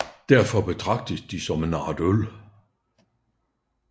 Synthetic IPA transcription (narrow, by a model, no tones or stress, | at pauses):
d̥æɐfɒ̽b̥e̝t͡sʰʁɑ̈ɡ̥̚d̥əsd̥isɒ̽menɑ̰̈ːd̥øl